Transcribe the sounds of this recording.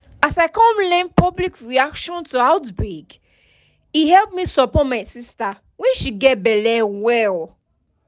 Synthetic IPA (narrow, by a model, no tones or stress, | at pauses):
asaɪkɔ̃mlɛ̃npɔblikʰɹiakʃɔ̃ntuaʊtbɹik | ihɛlp̚misɔpɔtmaɪsista | wɛ̃nʃiɡɛt̚bɛlɛwɛl